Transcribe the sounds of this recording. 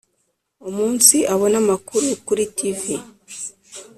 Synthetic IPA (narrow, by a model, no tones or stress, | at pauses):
omuːnsiʔaβo̞namakuɾukuɾitivi